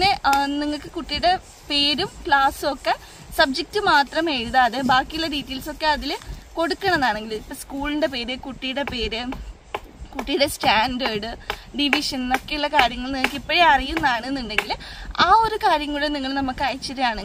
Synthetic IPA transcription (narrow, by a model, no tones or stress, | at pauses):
pnːe̞niŋːɐɭkːɨkuʈːijuɽe̞ | pe̞ːɾumkɭaːso̞kːe | sɐb̚d͡ʑek̚tɨmaːt̪rɐmeːɻuðɐːðɨbaːkːijuɭːɐɾiːtːilso̞kːeɐðilko̞ɽukːɐɳɐenːaːɳe̞ŋɡilipːɐskuːɭinɖe̞pe̞ːɾɨkuʈːijuɽe̞pe̞ːɾɨ | kuʈːijuɽe̞staːnɖeːɽɨɖiʋiʂɐnno̞kːe̞juɭːɐkaːɾjɐŋːɐɭniŋːɐkːipːoɻeɐrijunːɐaːɳɨenːuɳɖe̞ŋɡilaːo̞ɾukaːɾjɐŋːɐɭuɽeniŋːɐɭnɐmːukːɐjt͡ɕːɐðejaːɳeŋ